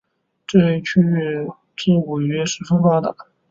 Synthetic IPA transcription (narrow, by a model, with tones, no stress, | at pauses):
ʈ͡ʂe˥˧t͡ɕʰy˥˧ɛ˥˧ | ʈ͡ʂi˥˩u˨˩ɥɛ˥ʂɻ̩˥fə˥ŋfa˥˩d̪ə̰˨˩